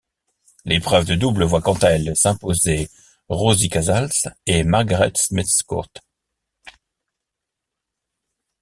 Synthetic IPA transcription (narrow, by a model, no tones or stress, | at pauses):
lepχœvd̪əd̪ubləvwakɑ̃t̪aɛlsɛ̃poze | ʁozikazalsemaʁɡaʁɛ̰t̪smit̪skṵʁt̪